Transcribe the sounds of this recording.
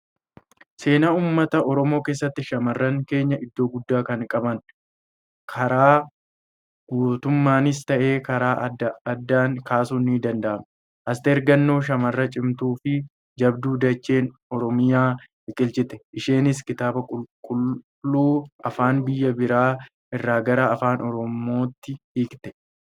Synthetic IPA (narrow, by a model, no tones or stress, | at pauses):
se̞ːnauːmːɐt̪ɐʔɔɾɔmo̞ːke̞ːsːɐt̪ːɪʃɐmɐrːɐŋke̞ːɲːɐʔɪd̪ːo̞ːɡʊd̪ːaːkɐŋkʼɐbɐn | kʰɐɾaː | ɡ̥uːt̪ʊmːaːnɪst̪ɐʔe̞ːkɐɾaːdɐd̪ːaːŋkaːsuːnːid̪ɐnd̪ɐʔɐm | ʔɐst̪ɛːɾɡɐnːo̞ːʃ̬ɐmɐrːɐt͡ʃʼɪmt̪uːfɪ | d͡ʒɐbd̪uːd̪ɐt͡ʃːe̞ːn | ɔɾɔmɪjaː | ɪkʼɪlt͡ʃʼɪt̪ɛʔɪʃeːnɪskɪt̪aːbɐkʼʊlkʼʊl | lːuːʔɐfaːnbɪjːɐbɪɾaː | ʔɪrːaːɡɐɾaɐfaːnʔɔɾɔmo̞ːt̪ːɪhiːkt̪ɛ̥